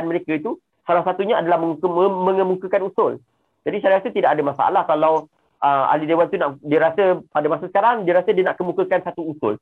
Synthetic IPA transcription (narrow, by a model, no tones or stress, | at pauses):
nməɾekait̪u | salahsat̪uɲaadalahməŋukəəmə̃ŋəmukəkanusʊl | d͡ʒadisalait̪ut̪idakadamasa̰a̰lahkalaw | ʔəa̰lidewant̪unaʔdiəɾasəpadamasasə̥kaɾaŋdiəɾasədiənaʔkəmũkəkansat̪uusʊ̰l